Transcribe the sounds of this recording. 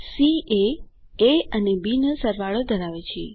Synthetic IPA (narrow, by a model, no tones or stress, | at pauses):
sie | eənebinəsəɾʋaɭod̪ʱəɾaʋet͡ʃʰe